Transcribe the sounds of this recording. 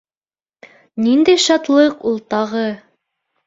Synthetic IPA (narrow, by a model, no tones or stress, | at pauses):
nind̪æjʃɑt̪lˠɤqulˠt̪ɑʁɤ